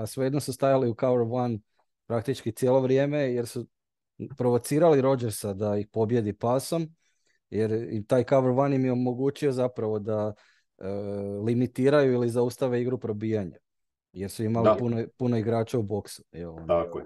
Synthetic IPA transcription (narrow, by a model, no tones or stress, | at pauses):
asʋejed̪nosust̪ajaliukaʋeɾʋan | pɾak̚t̪it͡ʃkit̪sjeːlˠo̞ʋɾje̞me̞jeɾsu | pɾo̞ʋo̞t̪siːɾaliɾo̞d͡ʒeɾsad̪aixpo̞bje̞d̪ipaːso̞m | jeɾt̪aːjkaʋeɾʋanimjeo̞mo̞ɡuːt͡ʃio̞zapɾaʋo̞d̪a | limit̪iːɾajuilizaust̪aʋeiɡɾupɾo̞biːjaɲa | je̞ɾsuimalipunopuno̞iɡɾaːt͡ʃaubo̞ksu̥jelnako